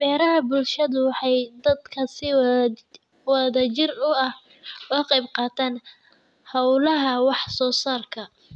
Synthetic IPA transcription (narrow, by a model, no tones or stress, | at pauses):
b̥ɛːɾɐɦɐbʊlʃɐðʊwɑħɑjd̪ɐd̪kʰɐsɪ | wɑðɐt͡ʃɪrʊɐh | wɑːqɑjbqɑːt̪ʰaːn | hɐwlɐɦɐwɑħsɔːsaːrkʰɐ